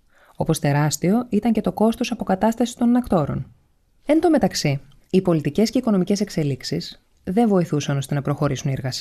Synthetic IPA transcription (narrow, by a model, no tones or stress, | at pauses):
o̞po̞st̪e̞ɾɐst̪io̞it̪ɐɲce̞t̪o̞ko̞st̪o̞sɐpo̞kɐt̪ɐst̪ɐsi̥t̪o̞nnːɐkt̪o̞ɾo̞̰n | e̞nd̪o̞me̞t̪ɐksi | ipo̞lit̪ice̞sce̞iko̞no̞mice̞se̞kse̞liksis | ðe̞ɱvo̞iθusɐno̞st̪e̞nɐpɾo̞xo̞ɾisunie̞ɾɣɐs